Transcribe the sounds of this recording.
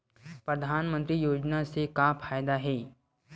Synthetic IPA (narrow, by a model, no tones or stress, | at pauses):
pɾəd̪ʱanmənt̪ɾiːjod͡ʑnasekafʰajd̪aɦe